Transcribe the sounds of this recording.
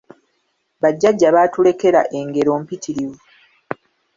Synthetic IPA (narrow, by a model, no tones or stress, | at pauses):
βaɟːaɟːaβaːtule̞ke̞ɾa̰ʔe̞ŋɡe̞ɾo̞ːmpitʰiɾiwu